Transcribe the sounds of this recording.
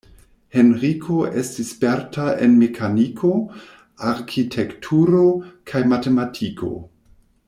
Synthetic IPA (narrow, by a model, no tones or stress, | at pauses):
he̞nɾikʰo̞ʔe̞stispeɾtaḛnmekʰanikʰo̞ | aɾkʰitʰektʰuɾo̞kʰajmatematʰikʰo̞̰